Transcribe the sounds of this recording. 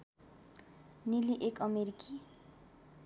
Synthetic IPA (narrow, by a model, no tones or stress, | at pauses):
niliʔekʰɔmeɾiki